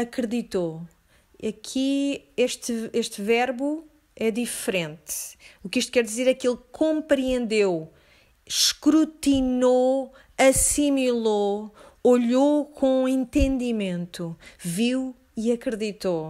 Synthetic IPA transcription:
ɐkɾɨðit̪o | ɐkʰieʃt̪ɨeʃt̪vɛɾβu | ɛd̪ifɾẽnt̪ukiʃt̪kɛɾd̪izeɾɛkilˠkʰõmpɾiẽnd̪ew | ʃkɾut̪ino | ɐsimilˠooʎokʰõẽnt̪ẽnd̪imẽnt̪uviw | iɐkɾɨðit̪o

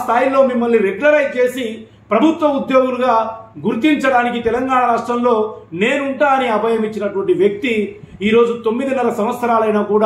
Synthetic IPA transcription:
st̪ʰaːjilo̞ːmimːɐlːiɾeɡlɐɾɐjt͡ʃe̞ːsi | pɾɐbʱut̪ʋɐud̪jo̞ːɡunuɡaːɡuɾt̪iɲt͡ʃɐɽaːnik̬it̪ɛlɐŋɡaːɳɐɾaːʂʈɾɐmlo̞ːne̞ːnuɳʈaːɐniɐbʱɐjɐmit͡ʃːinɐʈuʋɐɳʈiʋjɐk̚t̪i | iːɾo̞ːd͡ʒut̪o̞mːid̪inɛlɐsɐmʋɐt̪sːɐɾaːlɐjnaːkuːɽaː

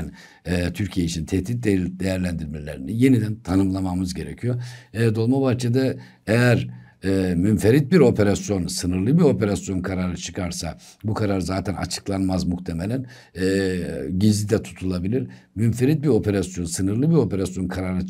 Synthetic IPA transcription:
n | ɛːt̪ʰyɾcʰijeit͡ʃʰint̪ʰɛht̪it̪̚d̪ed̪e̞jæɾlʲænd̪iɾmelʲḛɾinije̞nid̪ænt̪ʰanɯmlˠamamɯzɟe̞ɾecʰijod̪o̞lˠmabaht͡ʃʰed̪ɛ | ejæɾ | ɛːmynfeɾit̪̚biɾo̞pʰe̞ɾasjo̞nsɯnɯɾlˠɯbio̞pe̞ɾasjo̞nkʰaɾaɾɯt͡ʃʰɯ̥kʰaɾsa | bukʰaɾaɾɯzaːt̪ʰænʔa̰t͡ʃʰɯ̥klˠanmazmuht̪ʰe̞me̞lʲænː | ɟizlʲid̪ɛt̪ʰu̥t̪ʰulˠabilʲiɾ | mynfeɾit̪̚biɾo̞pʰe̞ɾasjo̞nsɯnɯɾlˠɯbiɾo̞pe̞ɾasjo̞nkʰaɾaɾɯ

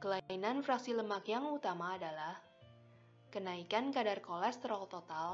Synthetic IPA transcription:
kəlainanfɾaksiləmakjaŋut̪amaːdalah | kənaikankadarkɔlɛst̪ɾɔlt̪ɔt̪al

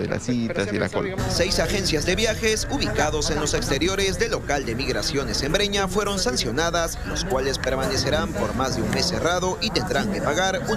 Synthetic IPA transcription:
ðḛla̰sit̪asela̰kolse̞jsaxe̞nsjazd̪e̞βjaxe̞suβikaðo̞se̞nlo̞se̞kst̪e̞ɾjo̞ɾe̞zd̪e̞lːo̞kald̪e̞miɣɾasjo̞ne̞se̞mbɾe̞ɲafwe̞ɾo̞nsansjo̞naðasloskwale̞spe̞ɾmane̞se̞ɾampo̞ɾmazðe̞unme̞se̞raðo̞ʔit̪e̞nd̪ɾaŋke̞paɣaɾu

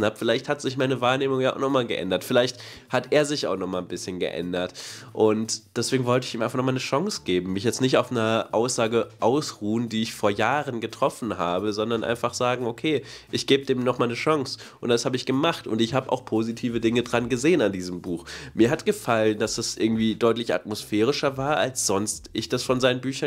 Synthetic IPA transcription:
n̩hapfɪlaɪçthatz̥ɪç̬maɪnəvaːɐneːmʊŋjaːʊxnɔχmaːlɡə̰ʔɛ̰ndɐtfɪlaɪçt | hatʔeːɐzɪçaʊxnɔχmaːlnbɪsçənɡə̰ʔɛ̰ndɐtʔʊntd̥ɛsv̥eːɡŋ̩vɔltəɪçiːmaɪfanɔχmanəʃɔŋsɡ̥eːbm̩mɪçjɛt͡stnɪç̬taʊfnəʔaʊsz̥aːɡəʔaʊsʁuːəndiːɪçfoːɐjaːʁənɡətʁ̥ɔfn̩ɦaːbəzɔndɐnʔa̰ɪnfaχz̥aːɡŋ̩okʰeːʔɪçɡ̥eːbədeːmnɔχmaːlnəʃɔŋsʔʊntd̥ashaːbəɪçɡ̥əmaχtʊ̰ntɪçhaːbəʔa̰ʊxpʰozitʰiːvədɪŋədʁanɡəzeːənandiːzəmbuːxmiːɐɦatɡ̥əfalənd̥asd̥asʔɪɐɡŋ̩tv̥iːdɔʏtlɪça̰tmosfɛːʁ̞ɪʃɐvaːɐʔalsz̥ɔnstʔɪçd̥asfɔnzaɪnənbyːçɐ

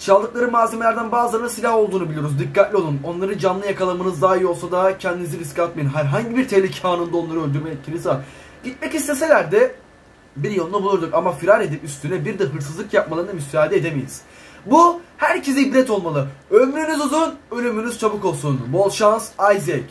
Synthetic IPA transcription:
sʰalˠːɯklˠaɾɯmaːzemelʲæɾd̪ænbaːzɯlˠaɾɯnasilʲaɦo̞lˠd̪uːnubilʲijoɾuzd̪ikʰːat̪lʲio̞lˠuno̞nlˠaɾɯd͡ʒanlˠɯjakʰalˠamɯnɯzd̪aɦjolˠsad̪acʰɛnd̪iniziɾiskat̪̚mejinɦæɾɦaɲɟibiɾt̪ʰelʲicʰhaːnund̪ao̞nlˠaɾɯø̞ld̪yɾmejɛt̪̚cʰiɾiza | ɟit̪̚mɛcist̪ʰese̞lʲæɾd̪ɛ | biɾjolˠunabulˠuɾd̪ukamafiɾaɾe̞d̪ipyst̪ʰynɛbiɾd̪ɯɦɯɾsɯzˠɯkjap̚malˠaɾɯnamysaːd̪ed̪emejʲiz̥ | buhæɾcʰezibɾʲɛt̪ʰo̞lˠmalˠɯømyɾynyzuzunø̞lʲymynyz̥t͡ʃʰabɯko̞lˠsunbo̞lˠʃansajzec

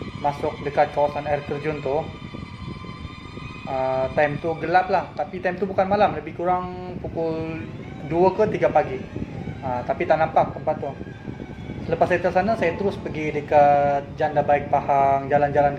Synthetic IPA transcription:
masʊk̚dəkat̪̚kawasanart̪ərd͡ʒunt̪ʊh | ət̪ajmt̪uɡəlap̚laht̪apit̪ajmt̪ubukanmalamləbɪhkuɾaŋpukʊl | duəkət̪iɡapaɡiət̪apit̪aʔnampak̚t̪əmpat̪ːʊh | sələpasit̪əsanasajat̪əɾʊspəɡidəkat̪̚d͡ʒandabaɪk̚pahaŋd͡ʒaland͡ʒalan

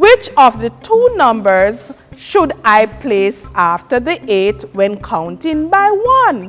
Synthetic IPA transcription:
wɪt͡ʃɔvðɨtʰunʌ̃mbə˞zʃudaɪpʰlesaftə˞ðiʔetwɛ̃nkʰãʊ̃ntɪ̃ŋbaɪwʌ̃n

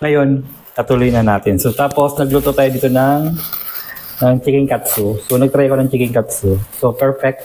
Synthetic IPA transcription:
ŋɐjo̞n | kɐt̪ulojnɐnaːt̪ɪnsot̪aːpo̞snɐɡlut̪ot̪aːjod̪iːt̪onɐŋ | nɐŋt͡ʃikɪŋkat̪sosonɐɡ̚t̪ɾɐjkonɐŋt͡ʃikɪŋkat̪sosopɛɹfɛk̚t̪

